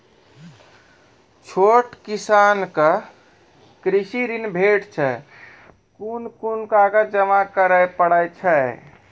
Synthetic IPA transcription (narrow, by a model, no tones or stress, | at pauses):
t͡ʃʰoʈkisankə | kɾisiɾinbʱeʈt͡ʃʰɛ | kunkunkaɡəd͡ʒəmakəɾəjpəɽəjt͡ʃʰɛ